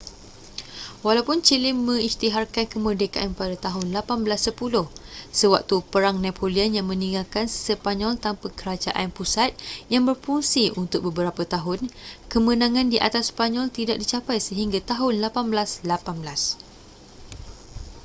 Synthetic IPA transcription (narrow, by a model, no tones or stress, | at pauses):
walawpʊnt͡ʃilɪmːə̃ŋist̪iɦarkankəmərdəkaʔanpadat̪aɦʊnlapanblasːəpulʊhsəwak̚t̪upəɾaŋnãpʰolianjaŋmə̃nĩŋɡalkansəpaɲɔlt̪ampakəɾad͡ʒaʔanpusat̪̚jaŋbərpuŋsiʔunt̪ʊk̚bəbəɾapat̪aɦʊnkəmə̃nãŋãndiʔa̰t̪aspaɲɔlt̪idaʔ̚dit͡ʃapajsəɦiŋɡat̪aɦʊnlapanblaslapanbəlas